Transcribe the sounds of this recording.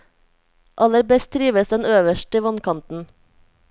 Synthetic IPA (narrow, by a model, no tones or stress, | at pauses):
ʔɑləɾbɛst̪ʰɾiːʋəsd̪ɛnøːʋəʃʈəʋɑnkʰɑnt̪n̩